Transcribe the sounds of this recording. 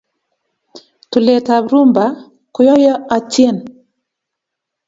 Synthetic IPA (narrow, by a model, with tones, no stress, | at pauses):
tu˨le˨ta˨βɾu˦mba˨ | kɔ˨jɔ˦jɔ˦a˨ti˦ɛ˦˨n